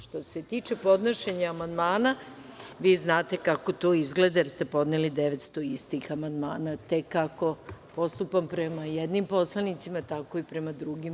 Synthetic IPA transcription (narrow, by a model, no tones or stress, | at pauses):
ʃt̪o̞se̞t̪iːt͡ʃe̞po̞d̪noʃe̞ɲaamand̪maːna | ʋiːznaːt̪e̞kako̞t̪o̞ːizɡle̞d̪ajeɾst̪e̞po̞d̪nelid̪eʋet̪st̪o̞ist̪ixamand̪maːnat̪e̞kːako̞po̞st̪upampɾemajed̪nimpo̞slˠanit̪simat̪ako̞ipɾe̞mad̪ɾuɡim